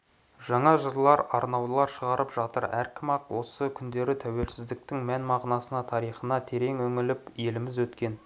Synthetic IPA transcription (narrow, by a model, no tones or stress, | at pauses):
ʒ̥ɑɴɑʒəɾlˠɑɾɑɾnɑwlˠɑɾʃəʁɑɾʔəpʒ̥ɑt̪əɾæɾkʲʰɪmɑqwo̞səkʲʰʏnd̪e̞ɾɪt̪ʰæwe̞lsɪzd̪ɪk̚t̪ɪŋmænmɑʁnɑsənɑt̪ʰɑɾijχənɑt̪ʰe̞ɾe̞ŋɵŋɪlɪpje̞lɪmɪzwɵt̪kʲe̞n